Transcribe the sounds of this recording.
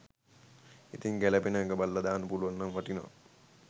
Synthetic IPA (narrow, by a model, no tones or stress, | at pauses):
it̪iŋɡæləpenəkəbalːəd̪aːnəpuluʋanːaŋʋaʈinoʋa̰